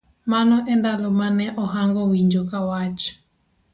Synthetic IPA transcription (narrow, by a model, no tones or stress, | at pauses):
manɔʔɛndalomanɛʔɔɦaŋɡɔwiɲd͡ʒokawat͡ʃɔ̥